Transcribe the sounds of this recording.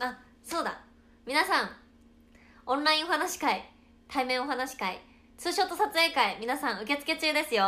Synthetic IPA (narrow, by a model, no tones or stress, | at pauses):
a | so̞ːd̪a̰ | mʲinasãŋ̃ | õ̞nɾaĩo̞hanaɕi̥kai | t̪ʰaimẽ̞ɰ̃ohanaɕi̥kai | t͡sɨːɕo̞ːt̪ːo̞sat͡sɨe̞ːkaimʲinasãɰ̃ɯ̟ke̞t͡sɨ̥ke̞t͡ɕɨːd̪e̞sɨjo̞